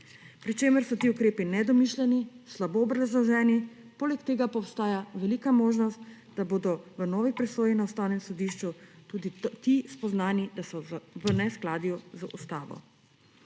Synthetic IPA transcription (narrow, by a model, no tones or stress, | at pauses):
pɾit͡ʃeːməɾsɔt̪iːukɾeːpinɛd̪ɔmiʃlʲɛnislaboːbɾazlɔʒɛːnipoːlɛkt̪eːɡapɔːwst̪aːjaʋɛliːkamoːʒnɔst̪ | d̪aboːd̪ɔʋənɔːʋipɾɛsoːjinaɔst̪aːwnɛmsɔd̪iʃt͡ʃut̪uːd̪it̪ispɔznaːnid̪asɔʋənɛsklaːd̪juzəʔust̪aːʋɔ̰